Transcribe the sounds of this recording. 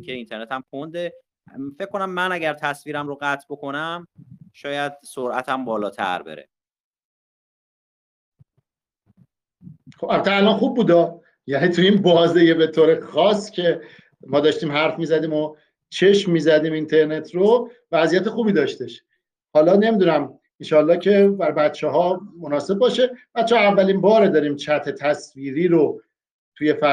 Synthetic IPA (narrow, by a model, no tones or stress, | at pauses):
kʰeint̪ʰe̞ɾnet̪ʰæmpʰond̪e | fe̞k̚ʰkːonæmːænæɟæɾt̪ʰæsviːɾæmɾoɣæt̪ʰbo̞kʰo̞næmʃɒːjæd̪̥̚soɾʔæ̰t̪ʰæmbɒːlɒːt̪ʰæ̰ɾbḛɾḛ | xo̥ælbæt̪ʰːeælɒnxubːuːd̪ɒː | jæniːt̪ʰuinbɒːzejebet̪ʰoːɾe̞xɒscʰe̞ | mɒːd̪ɒːʃt̪iːmɦæɾfmiːzæd̪iːmo | t͡ʃʰe̞ʃmːiːzæd̪iːmint̪ʰe̞ɾne̞t̪ʰɾo | væzijæt̪ʰe̞xuːbiːd̪ɒːʃt̪eʃ | hɒːlɒːne̞miːd̪uːnæm | inʃɒːlːɒːcʰe̞bæɾbæt̪t͡ʃʰeɦɒːmonɒːse̞b̚bɒːʃe̞b̥æt̪t͡ʃʰːehɑævːælinbɒːɾed̪ɒːɾiːmt͡ʃʰæt̪ʰe̞t̪ʰæsviːɾiːɾo | t̪ʰuje̞fæ